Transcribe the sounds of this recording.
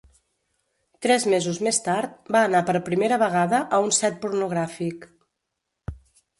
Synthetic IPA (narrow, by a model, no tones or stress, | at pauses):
t̪ɾɛzmezuzmest̪aɾt̪̚baːnapəɾpɾimeɾəβəɣ̞aðəʔəunsɛt̪̚puɾnuɣɾafik